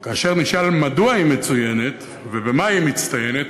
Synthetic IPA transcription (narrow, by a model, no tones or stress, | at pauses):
kaːʃe̞ʁniʃalmaduaime̞t͡suje̞ne̞t̪ | vebemaimit͡st̪aje̞ne̞t̪